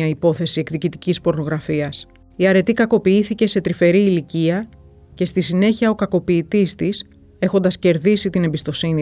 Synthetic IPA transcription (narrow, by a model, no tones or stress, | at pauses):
ɐipo̞θe̞sie̞kðicit̪icispo̞ɾno̞ɣɾɐfiɐs | iɐɾe̞t̪ikɐko̞piiθice̞se̞t̪ɾife̞ɾiːliciɐ | ce̞st̪isine̞çiɐo̞kɐko̞piːt̪ist̪is | e̞xo̞nd̪ɐsce̞ɾðisit̪ine̞mbist̪o̞sini